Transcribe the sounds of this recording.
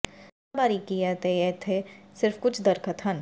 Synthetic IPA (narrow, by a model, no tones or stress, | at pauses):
abaːɾikijat̪eet̪ʰesɪɾfkʊt͡ʃʰd̪ɐɾkət̪ɦɐn